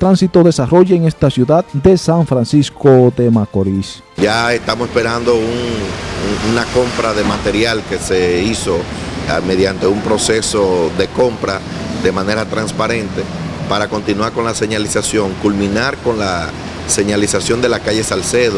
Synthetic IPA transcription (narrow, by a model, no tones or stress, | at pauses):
t̪ɾansit̪o̞ðe̞saro̞ʝeeŋe̞st̪asjuðad̪d̪e̞saɱfɾansiskod̪e̞makoɾis | ʝaest̪amosespe̞ɾand̪o̞un | unako̞mpɾaðe̞mat̪e̞ɾjalke̞seiso̞me̞ðjant̪e̞umpɾo̞se̞so̞ðe̞ko̞mpɾa | d̪e̞mãne̞ɾat̪ɾanspaɾẽ̞nt̪e̞ | paɾako̞nt̪inuwaɾko̞nlase̞ɲalisasjo̞ŋkulmĩnaɾko̞nla | se̞ɲalisasjo̞nd̪e̞lakaʝe̞salseðo